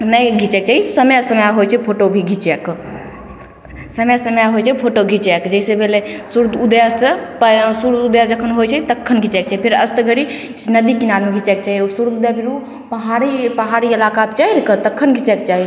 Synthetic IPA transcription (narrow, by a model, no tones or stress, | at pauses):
nəjɡʱit͡ʃɛk̚t͡ʃaɦisəmjasəmjaɦojt͡ʃʰɛpʰoʈobʱiɡʱit͡ʃɛk | səmjasəmjaɦojt͡ʃʰɛpʰoʈoɡʱit͡ʃɛkd͡ʒəsebʱelesuɾd̪ud̪jat͡ʃpsuɾd̪ud̪jad͡ʒəkʰːənɦojt͡ʃʰɛt̪əkʰːənɡʱit͡ʃɛk̚t͡ʃaɦipʰeɾəst̪ɡʱəɽi | nəd̪ikinaɾmeɡʱit͡ʃɛk̚t͡ʃaɦiɔɾsuɾd̪ud̪jabʱiɾu | pəɦaɾipəɦaɾiəlakapt͡ʃaɦiɾkət̪əkʰːənɡʱit͡ʃɛkt͡ʃaɦi